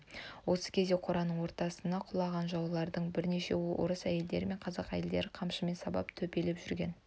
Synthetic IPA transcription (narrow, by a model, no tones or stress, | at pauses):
wo̞sə̥kʲʰezd̪e̞qʰoɾɑnəɴwo̞ɾt̪ɑsənɑqʰʊlˠɑʁɑnʒɑwlˠɑɾd̪əɴbɪɾne̞ʃe̞wʊ̰ɾəsæje̞ld̪e̞ɾɪme̞ɴqʰɑzɑqæ̰je̞ld̪e̞ɾɪqʰɑmʃəme̞nsɑbɑ̰pt̪ʰɵpe̞lepʒʏɾɡʲe̞n